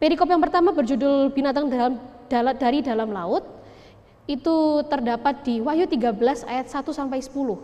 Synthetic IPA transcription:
peɾikɔpjaŋpərt̪amabərd͡ʒudʊlbinat̪aŋdd̥d̥aɾidalamlaʊt̪̚ | it̪ut̪ərdapat̪̚d̥iwajut̪iɡabəlasa̰jat̪̚sat̪usampajsə̥pulʊh

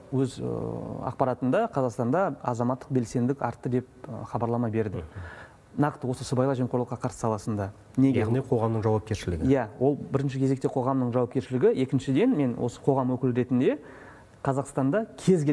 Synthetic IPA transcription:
wɵz | ɑ̰q̚pɑɾɑt̪ənd̪ɑqʰɑzɑqst̪ɑnd̪ɑɑ̰zɑmɑt̪ːəq̚be̞lse̞nd̪ɪkʲɑ̰ɾt̪ːəd̪e̞p̚əχɑbɑɾlˠɑmɑbe̞ɾd̪ɪ | nɑqt̪əwo̞səsəbɑjlˠɑʒemqolˠəqːɑqʰɑɾsə̥sɑlˠɑsənd̪ɑ | neɡjʲeʁniqʰo̞ʁɑmnəɴʒɑwɑp̚kʲe̞ɾʃɪlɪɡʲɪjæwo̞lˠbɪɾɪnʃ̬ɪkʲʰe̞ze̞k̚t̪e̞qʰo̞ʁɑmnəɴʒɑwɑp̚kʲe̞ɾʃɪlɪɡʲɪe̞kʲɪnʃɪd̪e̞nme̞nwo̞̰sə̥qʰo̞ʁɑmwɵkʲɪlɾe̞t̪ɪnd̪e̞ | qʰɑzɑqst̪ɑnd̪ɑkʲʰe̞zɡʲe

